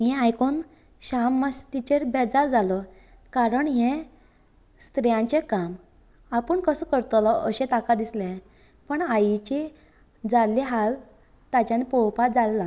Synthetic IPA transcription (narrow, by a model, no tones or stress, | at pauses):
ɦɛ̃ajkʰon | ɕamːast̪it͡ɕeɾbɛd͡zaɾd͡zalɔ | kaɾəɳɦɛ̃ | st̪ɾɛjãɲt͡ɕekam | apəɳkəsəkəɾt̪ɔlɔʔəɕẽt̪akad̪islẽ | pəɳajit͡ɕi | d͡zalːiɦal | t̪at͡ɕanipɔwpat̪d͡zalla